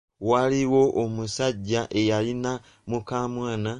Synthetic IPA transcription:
waliwo̞ʔomusaɟːaʔe̞jalina | mukaːmwaːna

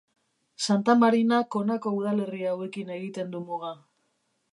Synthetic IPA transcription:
sant̪amaɾinako̞nako̞uð̞ale̞riawe̞kine̞ɣit̪e̞nd̪umoɣa

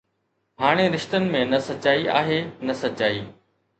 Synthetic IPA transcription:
ɦaːɽ̃eɾɪʃt̪ənɪ̆mẽnɐsɐt͡ɕaːiʔa̰ːɦeːnɐsɐt͡ɕaːiː

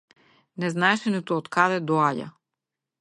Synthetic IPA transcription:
nɛznaɛʃɛnit̪uɔt̪kad̪ɛd̪ɔaɟa̰

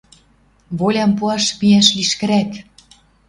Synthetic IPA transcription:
βolʲɑmpuɑʃmiæʃliʃkɘ̆ɾæk

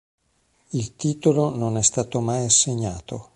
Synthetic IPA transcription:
ilt̪iːt̪olononɛst̪aːt̪omajaseɲːaːt̪o

